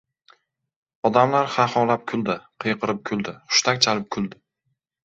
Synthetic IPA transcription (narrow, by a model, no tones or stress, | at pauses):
ɒd̪amlaɾχahɒlap̚kʰʊlˠd̪ɪqʰɨjqʰɨɾɪp̚kʰʊlˠd̪ɪχʊ̥ʃt̪ʰakʲt͡ʃʰalɪp̚kʲʰʊlˠd̪ɪ